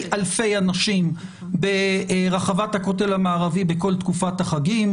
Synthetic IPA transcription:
alfe̞janaʃim | beʁaχavathakote̞lamaːʁavibeko̞lt̪kufathaχaɡim

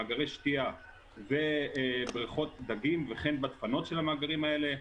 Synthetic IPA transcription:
aɡaʁejʃtia | vebʁiχo̞t̪̚d̪aɡimveχenbat̪fano̞t̪ʃelamaːɡaʁimaele̞

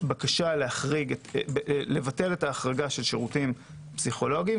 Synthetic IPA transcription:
bakaʃalehaχʁiɡ | le̞vate̞le̞taːχʁaɡaʃe̞lʃeʁutim | psiχo̞lo̞ɡi

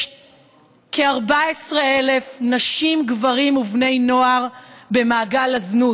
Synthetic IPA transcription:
kʰeaʁbaesʁeele̞fnaʃimɡvaʁimuvne̞jno̞aʁbe̞maːɡalaznut

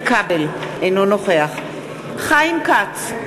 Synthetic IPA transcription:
kabelejnonoχeaχ | χajimkat͡s

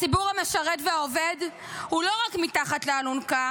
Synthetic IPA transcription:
t͡sibuʁhameʃaʁetveaoved | hulo̞ʁakmitaχatlealunka

